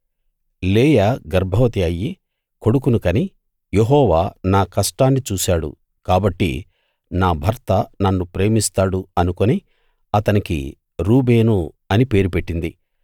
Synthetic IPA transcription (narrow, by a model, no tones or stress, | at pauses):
leːjaːɡɐɾbʱɐʋɐt̪iɐjːi | ko̞ɽuk̬unukɐni | jeɦɔːʋaːnaːkɐʂʈaːnːit͡ʃuːsaːɽṵ | kaːbɐʈːḭ | naːbʱɐɾt̪ɐnɐnːupɾe̞ːmist̪aːɽuɐnukoni | ɐt̪ɐnikḭ | ɾuːbe̞ːnu | ɐnipe̞ːɾup̬e̞ʈːind̪i